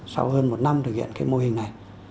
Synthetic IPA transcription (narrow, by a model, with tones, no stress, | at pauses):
sa̰˧whəː˧nmo˨˩t̚na˧mt̪ɨ˨˩k̚hḭ˧˨ə˨nkaː˨˦jmo˧hï˨˩ŋ̟na˨˩j